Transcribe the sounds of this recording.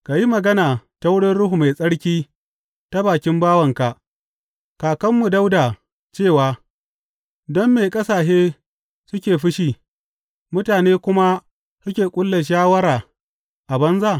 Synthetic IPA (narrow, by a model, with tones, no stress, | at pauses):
ka˨ji˦mɐ˨ɡɐ˦naː˨ta˦wʊ˦ɽɪ˦nɽʊ˦ɦu˨ma˨jsʼɐ˦ɽkʲiː˦ | ta˦baː˨kʲɪ˦mbaː˦wɐ˨ŋka˨ʔ | kaː˨kɐ˦mːu˨da˦wda˨ | t͡ʃeː˦˨waː˨ | dɔ˦mːe˨kʼɐ˦saː˨ʃeː˦ | sʊ˦kʲeː˨ɸɪ˦ʃiː˨ | mʊ˦taː˨neː˦kʷʊ˦ma˦ | sʊ˦kʲeː˨kʷʼʊ˦lːe˨ʃ̬aː˦wɐ˦ɾaː˨ | ʔa˨bɐ˦nzaː˦˨